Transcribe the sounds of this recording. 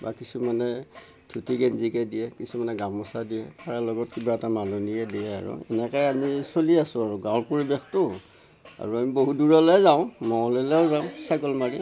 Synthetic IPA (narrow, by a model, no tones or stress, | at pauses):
ba̰kisumanɛ | tʰutiɡɛnzikɛdiɛkisumanɛɡamɔsadiɛtʰaɹalɔɡɔt̚kibaɛtamalunijɛdijɛa̰ɹṵɛ̰nɛkajamisoliasʊ̃aɹuɡãwlpoɹibextʊ | a̰ɹuamiboɦuduɹɔlɛzaʊ̃mɔɔlɛlɛɔzaʊ̃sajkɔlmaɹi